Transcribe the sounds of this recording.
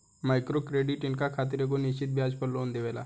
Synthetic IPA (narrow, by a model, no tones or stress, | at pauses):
maːɪkɾokɾeːɖɪʈɪnkakʰaːt̪̬ɪɾek̬onɪʃt͡ʃɪt̪̚bʱjaːd͡ʒpəɾloːnd̪eʋeːla̰ː